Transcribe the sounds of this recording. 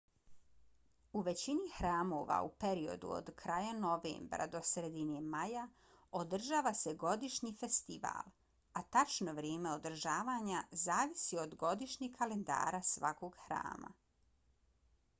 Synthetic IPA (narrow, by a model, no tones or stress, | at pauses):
uʋe̞t͡ɕinixɾaːmoːʋa̰upeɾio̞̰d̪ṵo̰d̪kʰɾaːjano̞ʋḛːmbɾa̰d̪o̞sɾed̪inemaja | od̪r̩ʒaːʋase̞ɡo̞d̪iʃɲife̞st̪iʋa̰ːlˠ | at̪at͡ʃno̞ʋɾjeːme̞o̞d̪r̩ʒaːʋaːɲazaːʋisiod̪ɡo̞d̪iʃɲikale̞nd̪a̰ːɾasʋa̰ko̞ɡxɾa̰ːma̰